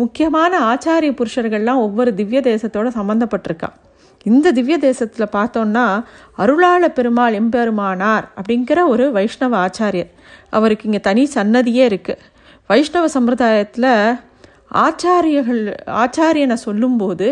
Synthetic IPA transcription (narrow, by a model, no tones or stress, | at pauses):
mʊkːɪjɐmaːnɐaːt͡ʃaːɾɪjɐpːʊɾɯʂɐɾɣɐɭlãːɔʋːɔɾɯd̪ɪʋjɐd̪eːsɐt̪ːoːɽɐsɐmbɐnd̪ɐpːɐʈːɪɾɯkːã̰ː | ɪnd̪ɐd̪ɪʋjɐd̪eːsɐt̪ːɪlɐpaːɾt̪õːnːaː | ɐɾɯɭaːɭɐpɛɾɯmaːɭɛmbɛɾɯmaːnaːɾɐpːɐɽɪnɡɪɾɐɔɾɯʋɐɪʂɳɐʋɐaːt͡ʃaːɾɪjɐɾ | ʔɐ̰ʋɐɾɯkːɯɪŋɡɐt̪ɐnisɐnːɐðɪjeːɪɾɯkːɯ | ʋɐɪʂɳɐʋɐsɐmɾɯðaːjɐt̪ːɪlɐ | aːt͡ʃaːɾjɐɣɐɭa̰ːt͡ʃaːɾɪjɐnɐsɔlːɯmpoːðɯ